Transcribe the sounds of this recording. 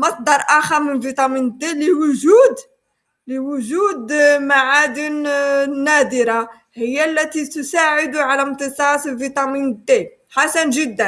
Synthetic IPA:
mæt̪̚d̪ˤɑɾˤʔæxɑmənvit̪ˤɑmind̪elːəwʊʒud̪ | ləwʊʒud̪maʕad̪innːæd̪əɾɑ | həjːælːæt̪it̪ʊsaʕəd̪uʕalænt̪əsˤɑsəlvit̪ˤɑminəd̪ːæl | ħasænʒəd̪ːæn

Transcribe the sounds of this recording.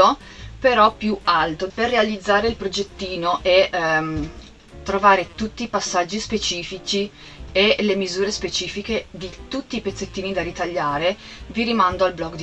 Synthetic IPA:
o | peɾɔpːjualt̪operːealid̪zːaːɾeilpɾod͡ʒet̪ːiːnoʔe | t̪ɾovaːɾet̪ut̪ːipasːad͡ʒːispet͡ʃiːfit͡ʃi | elemizuːɾespet͡ʃiːfiked̪it̪ut̪ːiːpet̪sːet̪ːiːnid̪aɾit̪aʎːaːɾe | viɾimand̪oalblɔɡd̪

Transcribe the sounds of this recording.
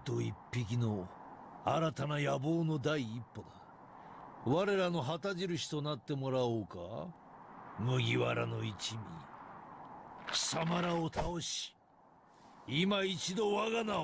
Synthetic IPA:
t̪o̞ipːik̬ʲino̞ | aɾat̪anajabo̞ːno̞d̪aiːpːo̞d̪a | βaɾe̞ɾano̞ɦat̪aʑiɾɯ̟ɕi̥t̪o̞nat̪ːe̞mo̞ɾaoːka̰ | mɯ̟ɡʲiβaɾa̰no̞it͡ɕimʲi | samaɾaot̪ʰao̞ɕi̥ | imait͡ɕid̪o̞βaɡana

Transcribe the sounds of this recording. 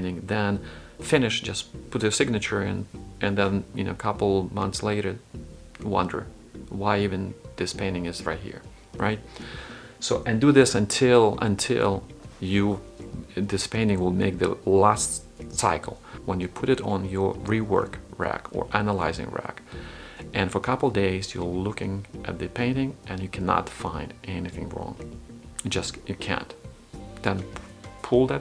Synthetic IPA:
ñɪ̃ŋðɨ̃nfɪ̃nɨʃd̥d͡ʒʌspʰʊt̚ɨsɪɡ̚nɨt͡ʃə˞ɨ̰̃nʔɨ̃nðɨ̃njɨ̰no̰ʊəkʰʌpl̩ˠmʌ̃nθsleɪɾə˞ | wʌ̰̃ndə̰˞ | waɪivɨ̃nðɪspʰẽɪ̃ñɪ̃ŋɨzɹa̰ɪt̚hḭɹ | ɹa̰ɪt̚ | soʊʔɨ̃ndɨðɪsɨ̃ntʰɪlˠə̰̃ntʰɪ̰lˠjɨ | ðɪspʰẽɪ̃ñtɪ̃ŋwɪlˠmeɪk̚ðɨ̰læst | saɪkʰl̩ˠwə̃njɨpʰʊɾɨɾn̩jə˞ɹiwɜ̰˞kɹæ̰kə̰˞ʔænəlaɪzɪ̰̃ŋɹæ̰k | ʔɨ̃nfə˞əkʰʌpl̩ˠdeɪzjə˞lʊkɪ̃ŋʔɨt̪̚ðɨpʰẽɪ̃ntɪ̃ŋʔɨ̃njɨkʰænə̰tfãɪ̃ndʔɛniθɪ̰̃ŋɹɔ̰̃ŋ | d͡ʒʌsjɨkʰæ̰̃n | ðɨ̃npʰulˠðɨt̚

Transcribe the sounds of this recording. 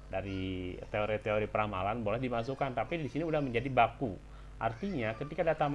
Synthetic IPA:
daɾit̪eoɾit̪eoɾipəɾama̰lanbolɛhdimas̬ukant̪apidisiniudahməɲd͡ʒadibaku | ʔa̰rt̪iɲakət̪ikadat̪am

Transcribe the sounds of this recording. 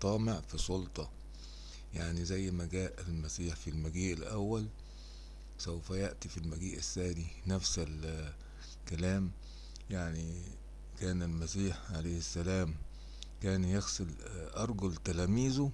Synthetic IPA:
t̪ˤɑːmeʕfisˤolt̪ˤɑ | jaʕnizæjːmæɡæːʔælmæsiːħfilmæɡiːʔɪlʔæwːæl | sæwfæjaʔt̪ifilmæɡiːʔɪsːæːdinæfsɪl | kælæːm | jaʕni | kæːnɪlmæsiːħʕaleːhɪsːælæːm | kæːnjexsel | ʔɑɾˤɡʊlt̪ælæːmiːzʊ

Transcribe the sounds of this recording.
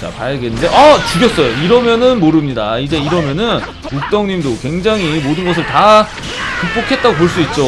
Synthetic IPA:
t͡ɕa̰pa̰jeɡenːɯnde̞ʔʌt͡ɕuɡjʌts͈ʌjoiɾʌmjʌnɯnmoɾɯmɲida̰id͡ʑe̞iɾʌmjʌnɯn | uk̚t͈ʌŋɲimdokwe̞ŋd͡ʑaŋɦimodɯnɡʌs̬ʰɯɭta | kuk̚p͈okʰe̞t̚t͈aɡop̬oɭs͈uit̚t͡ɕ͈o

